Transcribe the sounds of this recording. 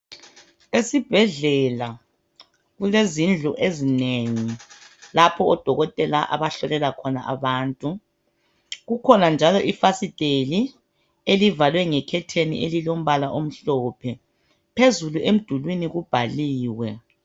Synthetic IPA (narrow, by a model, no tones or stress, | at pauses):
esib̥ʱɛɮɛla | ɣulezind͡ɮʱuʔezineŋilapʰɔːd̥ʱɔɣɔtʼɛlaʔa̰βaɬɔlɛlakʰɔna̰ʔa̰βaːntʼu | ɣukʰɔnand͡ʒʱalɔʔifasid̥ʱʼeli | elivalwɛŋɛkʰɛtʰenḭʔelilom̩βalaʔom̩ɬɔːpʰɛ | pʰezuluʔem̩d̥ʱulwiniɣub̥ʱaliːwɛ